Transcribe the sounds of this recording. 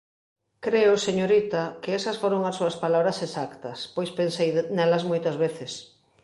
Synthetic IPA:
kɾeʊseɲoɾit̪ɐkeɛsɐsfoɾoŋɐsːuɐspalaβɾɐsesakt̪ɐspojspensejnɛlɐzmojt̪ɐzβeθɪs

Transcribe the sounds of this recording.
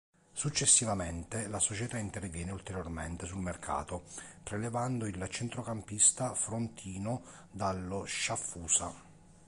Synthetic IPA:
sut͡ʃːesːivament̪elasot͡ʃet̪aint̪ervjɛːneult̪eɾjorment̪esulmerkʰa̰ːt̪opɾelevand̪oilt͡ʃɛnt̪ɾokampist̪afɾont̪ʰiːno | d̪alːoʃafːuːsa

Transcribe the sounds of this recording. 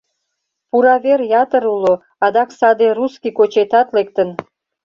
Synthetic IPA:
puɾɑβerjɑt̪əɾulo | ɑd̪ɑksɑd̪eruskikot͡ɕet̪ɑt̪lek̚t̪ən

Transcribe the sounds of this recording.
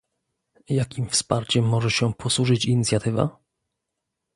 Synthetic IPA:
jakʲimfspaɾt͡ɕɛmːɔʐɛɕɛpʰɔsuʐɘt͡ɕiɲit̪sʲjat̪ɘva̰

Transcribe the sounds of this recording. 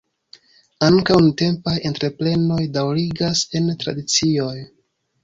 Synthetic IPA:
aŋkawunute̞mpajentɾe̞ple̞no̞jdawɾiɡase̞ntɾa̰dit͡sio̞j

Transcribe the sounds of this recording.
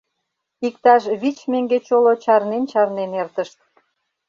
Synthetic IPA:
ikt̪ɑʃβit͡ɕmeŋɡet͡ɕolot͡ɕɑrnent͡ɕɑrnenert̪əʃt̪̚

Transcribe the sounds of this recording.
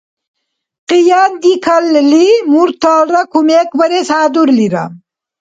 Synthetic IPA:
qijand̪ikʰallimuɾt̪aːɾakumekbɐɾesaːd̪uɾliɾa̰m

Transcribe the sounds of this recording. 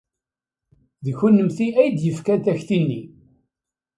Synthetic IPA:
ðəçunːəmθiæjd̪jəfkæθæçθinːi

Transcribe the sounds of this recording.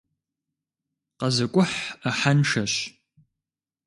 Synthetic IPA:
qɐzɐkʷʼʊħaħanʂɐɕ

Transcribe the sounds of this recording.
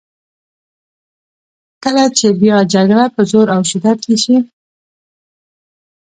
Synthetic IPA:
kəlat͡ʃebjɑd͡ʒaɡɽapəzoɾawʃɪd̪ad̪̚keʃi

